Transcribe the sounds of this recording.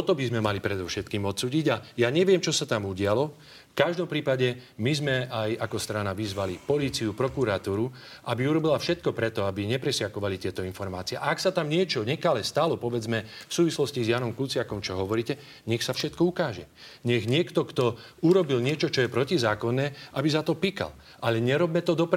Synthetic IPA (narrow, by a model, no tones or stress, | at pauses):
ɔt̪ɔbizmɛmalipɾɛd̪ɔfʃɛt̪kiːmɔt̪suːɟiɟajaːɲɛʋɪɛmt͡ʃɔsat̪amuɟɪalɔ | fkaʒd̪ɔmpɾiːpaɟɛ | mizmɛajakɔst̪ɾanaʋizʋalipɔliːt͡siupɾɔkuɾat̪uːɾu | ʔabiuɾɔbilafʃɛt̪̚kɔpɾɛt̪ɔabiɲɛpɾɛsɪakɔʋalit̪ɪɛt̪ɔinfɔɾma̰ːt͡siɛʔaaksat̪amɲɪɛt͡ʃɔɲɛkalɛst̪alɔpɔʋɛd͡zmɛfsuːʋislɔscizjaːnɔmkut͡sɪakɔmt͡ʃɔɦɔʋɔɾiːcɛ | ɲɛxsafʃɛt̪kɔukaːʒɛ | ɲɛɣɲɪɛkt̪ɔkt̪ɔ | uɾɔbilɲɪɛt͡ʃɔt͡ʃɔjɛpɾɔcizaːkɔnːɛːʔabizat̪ɔpika̰l | ʔalɛɲɛɾɔbmɛt̪ɔd̪ɔp